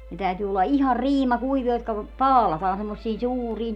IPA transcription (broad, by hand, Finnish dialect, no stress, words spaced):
ne tæytyː olːɑ ihɑr riːmɑ kuiʋiɑ jotkɑ pɑːlɑtɑːn semːosːiːn suːriːn